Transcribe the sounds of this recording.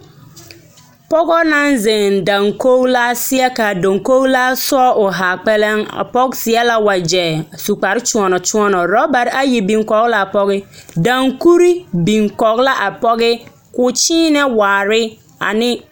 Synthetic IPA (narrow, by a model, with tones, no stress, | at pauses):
pɔ˦ɡɔ˦nã˦n˦zɛ̃˨ndã˨ŋko˦ɡla˦sɪ˦ɛ˦ka˨do˨ŋko˦ɡla˦sɔ˦ʔʊ˨ɦa˨k͡pɛ˦lɛ˦ŋa̰˨pɔ˦ksɪ˨˦ɛ˦la˦wa˨d͡ʒɛ˨su˨k͡pa˨ɾɪ˦t͡ʃũ˨ɔ˨nɔ˨t͡ʃu˦ɔ˦nɔ˨ɾɔ˦ba˨ɾa˦ji˨bĩ˨ŋkɔ˨ɡla˨a˨pɔ˦ɣɪ˦dã˨ŋku˦ɾi˦bĩ˨ŋkɔ˨ɡla˦ʔa˨pɔ˦ɡɪ˦ | kʊ˨t͡ʃiː˦nɛ˦waː˨ɾɪ˦ | a̰˨nɪ̃˦